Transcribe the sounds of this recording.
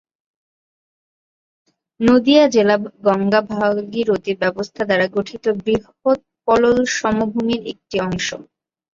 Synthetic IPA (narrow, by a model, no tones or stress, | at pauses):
nod̪iad͡ʑelabɡɔŋɡabʱaɡiɾot̪ibɛbost̪ʰad̪aɾaɡoʈʰit̪obɾiɦ | ot̪̚ | pɔlolʃɔmobʱumiɾek̚ʈiɔŋʃo̰